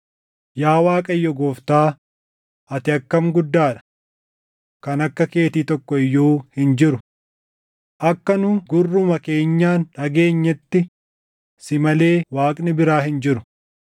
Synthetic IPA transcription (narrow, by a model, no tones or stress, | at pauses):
jaːwaːkʼɐjːɔɡoːft̪aː | ɐt̪ɪɐkːɐmɡʊd̪ːaːᶑɐ̥ | kɐnɐkːɐke̞ːt̪iːt̪ɔkːɔɪjːuːhɪnd͡ʒɪɾʊ | ʔɐkːɐnʊɡʊrːʊmɐke̞ːɲːaːnᶑɐɡe̞ːɲːɛt̪ːɪ | sɪmɐle̞ːwaːkʼnɪbɪɾaːɦɪnd͡ʒɪɾʊ̥